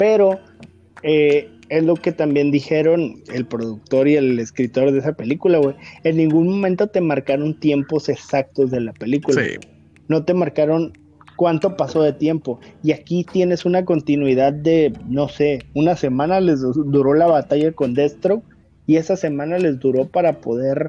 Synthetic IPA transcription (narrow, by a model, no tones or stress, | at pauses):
pe̞ɾo̞ | e | e̞zlo̞ke̞t̪ambje̞nd̪ixe̞ɾo̞ne̞lpɾo̞ðuk̚t̪o̞ɾie̞le̞skɾit̪o̞ɾðesape̞likulaβweenːĩŋɡunmo̞mẽnt̪o̞t̪e̞maɾkaɾo̞nt̪je̞mpo̞se̞sak̚t̪o̞zðe̞lape̞likula̰ | no̞t̪e̞maɾkaɾo̞n | kwant̪o̞paso̞ðe̞t̪je̞mpo̞iakit̪je̞ne̞sunako̞nt̪inwiðaðːe̞no̞se̞unase̞mãnale̞zd̪uɾo̞laβat̪aʝako̞nd̪e̞st̪ɾok | ie̞sase̞mãnale̞zd̪uɾo̞paɾapo̞ðe̞ɾ